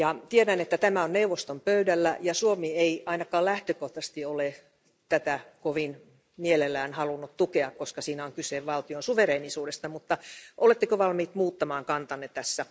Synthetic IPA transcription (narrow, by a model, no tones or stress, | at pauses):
jɑt̪ieɾænet̪ːæt̪æmæonneuʋːˑost̪ompøydælːæjɑsuomieiɑinɑkɑːlæht̪økoht̪ɑst̪iole | t̪æt̪ækoʋin | mielelːˑæːnhɑlunːut̪t̪ukeɑkkoskɑsiːnæoŋkyseʋʋɑlt̪ionsuʋereːnisuːdest̪ɑmut̪ːɑʔolet̪ːekøʋɑlmiːt̪muːt̪ːɑmɑːŋkɑnt̪ɑnːet̪æsːæ